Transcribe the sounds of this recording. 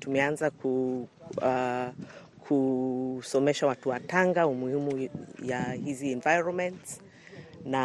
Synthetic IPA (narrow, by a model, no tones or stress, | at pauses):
tumɛanzaku | kʰusɔmɛʃawatuwataŋɡaumuhimujahiziɛnvajɹɔnmɛnts | na